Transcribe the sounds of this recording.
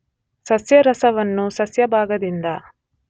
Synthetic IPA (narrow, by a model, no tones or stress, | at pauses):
sɐsjɐɾɐsɐʋɐnːusɐsjɐbʱaːɡɐd̪ind̪ɐ